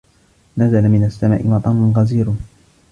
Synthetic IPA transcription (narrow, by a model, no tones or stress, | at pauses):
nazalamɪnasːama̰ːʔɪwɑt̪ˤɑːnʊnɣaziːɾ